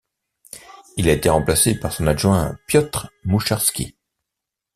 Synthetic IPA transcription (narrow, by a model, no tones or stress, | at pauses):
ilaet̪eʁɑ̃plasepaʁsɔ̃naʒwɛ̃pjɔt̪χmuʃaʁskʲḭ